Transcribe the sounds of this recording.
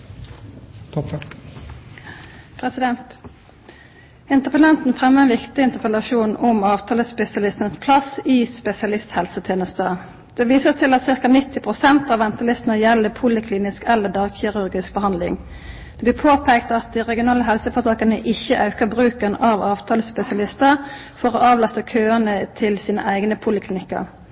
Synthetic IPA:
pʰɾɛsɪd̪ɛnt̪ | ɪnt̪əpəlɛnt̪n̩fʁɛmːəɛnʋɪkt̪ɪɪnt̪əʁpʰəlɑʃuːnʊmɑːʋt̪ʰɑːləspɛsɪɑlɪst̪ənəspʰlɑsiːspɛsɪɑlɪst̪hɛlsət̪ʰeːnəst̪ə | d̪̥ɛʋiːsət̪ʰɪlɑt̪sɪʁkɑnɪt̪ʰːɪpʰʁʊsɛnt̪ɑʋɛnt̪ʰəlɪst̪ənəjɛlːəpʰʊlɪkʰliːnɪskɛlːəd̪ɑːɡçɪʁʉɾɡɪsk̚bəhɑnd̪lɪ̰ŋ | d̪̥ɛblɪːpʰoːpʰɛːkt̪ɑt̪̚d̪iːʁɛɡɪʊnɑːləɦɛlsəfɔt̪ʰɑːkɑnəʔɪçəʔɑʉkəbʁʉːkənɑʋɑːʋt̪ʰɑːləspɛsɪɑlɪst̪əʁ | fɔɾoːɑːʋlɑst̪əkʰøːənət̪ʰɪlsiːnə̰ʔæɪɡnəpʰʊlɪkʰlɪnɪkːə̰ʁ

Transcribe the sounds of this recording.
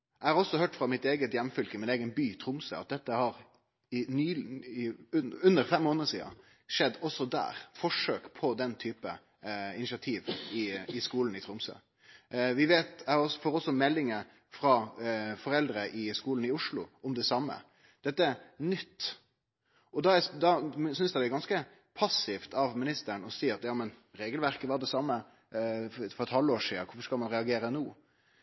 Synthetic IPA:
ʔæɪhɑɾɔsːɔhøːʈfɾɑmɪt̪eːɡət̪jɛmːfʏlkəmɪneːɡənbyːt̪ʰɾʊmsø̰ːɑ̰t̪̚d̪ɛt̪ːəhɑɾ | ɪnyːɪʉʉnːəɾfɛmːoːnəəsiːɑ̰ | ʂɛd̪ːɔsːɔd̪æ̰ːɾfɔʂøːkpʰɔd̪ɛnt̪ʰyːpə | ɪnɪʃɪɑt̪ʰiːʋɪɪskuːln̩ɪt̪ʰɾʊmsø̰ː | ʋɪʋeːt̪æhɔsfɔɾɔsːɔmɛlːɪŋə | fɾɑfɔɾɛld̪ɾəʔɪskuːln̩ɪʊʂlʊ̰ʔɔmd̪ɛsɑmːə̰ | d̪̥ɛt̪ːəæɾnʏt̪ː | ɔd̪ɑæd̪ɑsʏnsd̪æɪd̪ɛæɾɡɑnskə | pʰɑsɪft̪ɑʋmɪnɪst̪əɾɳɔsiːɑt̪jɑːmənɾeːɡəlʋæɾkəʋɑd̪ɛsɑmːə | fɔɾɛt̪hɑlːoːʂiːəkʰʊfɔɾʂkɑlmɑnɾɛɑɡeːɾənuː

